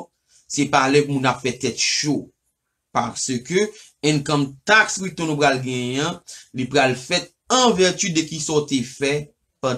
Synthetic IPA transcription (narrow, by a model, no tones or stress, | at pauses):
sɛpalɛk̚mũnapfɛt̪ɛt̪ʃo | paʁsøkø | ɛ̃nkɔ̃mt̪akswit̪ɔ̃nũp̬ʁalɡɛ̃jɛ̃lipʁalfɛt̪̚ | ɐ̃vɛʁt̪yd̪ɛkisɔt̪efɛ | pã